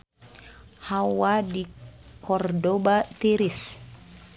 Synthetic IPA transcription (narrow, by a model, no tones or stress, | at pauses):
hawadikɔrdobat̪iɾis